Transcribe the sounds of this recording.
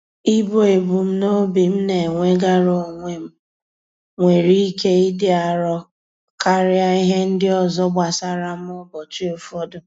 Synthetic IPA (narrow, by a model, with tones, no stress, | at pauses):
i˦bo˨e˨bu˨m̩˦no˦bi˨m̩˦ne˨ŋʷe˦ɡa˦ɾo˨o˨ŋʷe˨m̩˦ | ŋʷe˨ɾi˦ke˦i˦dɪ˦a˨ɾɔ˦ | ka˦ɾɪ˦a˦i˦ɦe˦n̩˦dɪ˦ɔ˨zɔ˦bʷa˨sa˦ɾa˦m̩˦ʊ˦bɔ˨t͡ʃi˦o˨fɔ˦dʊ˨